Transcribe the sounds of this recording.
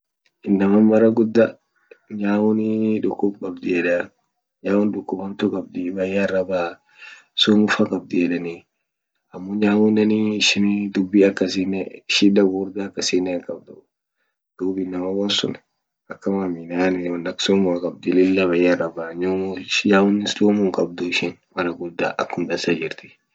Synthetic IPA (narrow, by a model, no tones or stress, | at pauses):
ʔɪnːɐmɐmɐɾɐɡʊd̪ːɐ | ɲaːwʊniᶑʊkːʊbkʼɐbd̪ɪɛᶑɐ | ɲaːwʊnᶑʊkːʊbɐmt̪ʊkʼɐb̚d̪ɪbɐjːarːɐbaː | sumʊfɐkʼɐb̚d̪ɪɛᶑɐni | ɐmːɔɲaːwʊnɐniʃɪnd̪ʊbːiɐkːɐsiːnɛʃɪᶑɐɡuːɾd̪aːkːɐsiːnɛkʼɐb̚d̪ʊ | d̪̥uːbɪnɐmɐwɐnsʊ̰n | ɐkːɐmamɪnaːnɛwɔnːɐksoːmʊfakʼɐb̚d̪ɪlɪlːɐβɐjarɐbaːɲamjaːwʊnːɪsloːmʊŋkʼɐb̚d̪ʊɪʃɪnmɐnɐɡʊd̪a̰ːʔɐkːʊnd̪ɐsad͡ʒɪɾt̪ɪ̥